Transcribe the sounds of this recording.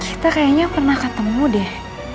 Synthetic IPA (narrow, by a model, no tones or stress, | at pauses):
kʰi̥t̪akajaɲapərnahkət̪əmudɛh